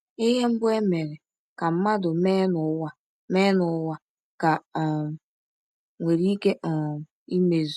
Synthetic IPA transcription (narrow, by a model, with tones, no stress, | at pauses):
ɪ˦ɦe˦m̩˦bʊ˦e˦me˨ɾe˨ | ka˨m̩˦ma˦dʊ˨me˦nʊ˨˦wa˦ | me˦nʊ˨˦wa˦ | ka˨ | ŋʷe˨ɾi˦ke˦ʔ | i˦me˨z